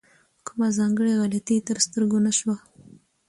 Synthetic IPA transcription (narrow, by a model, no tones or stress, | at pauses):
kʊmazɑŋɡəɽeɣɑlat̪it̪əɾst̪əɾɡonaʃwa